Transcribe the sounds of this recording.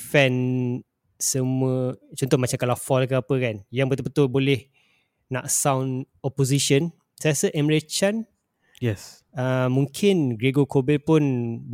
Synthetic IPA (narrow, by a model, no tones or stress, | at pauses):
fɛ̃n | səmuə̃t͡ʃɔnt̪ɔhmat͡ʃamkalafɔlkəapəkanjaŋbət̪əbət̪ʊlbolɛh | na̰ʔsawnɔpos̬iʃən | sajasəʔɛmɹet͡ʃan | jɛs | əmːũŋkʰɪnɡɾeɡokʰobɛlpʊn